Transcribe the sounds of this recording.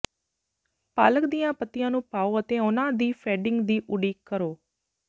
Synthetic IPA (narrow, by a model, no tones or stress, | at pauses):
paːləkd̪ijãːpət̪ːɪjãːnũːpaːoːət̪ẽːʊnãːd̪iːfʰɛːɖɪ̃ŋɡd̪iːʔʊɽiːkəɾoː